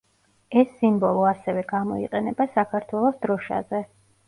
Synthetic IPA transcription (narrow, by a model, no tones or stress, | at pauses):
ɛsːimbɔlˠɔasɛvɛɡamɔiqʼɛnɛbasakʰaɾt̪ʰwɛlˠɔsd̪ɾɔʃa̰zɛ